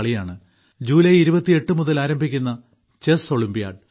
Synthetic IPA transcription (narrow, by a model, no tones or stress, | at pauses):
ɭijaːɳɨ | d͡ʑuːlɐjiɾubɐt̪ːie̞ʈːɨmuðɐlaːɾɐmbʱikʲːunːɐ | t͡ɕeso̞ɭimbija̰ːɖ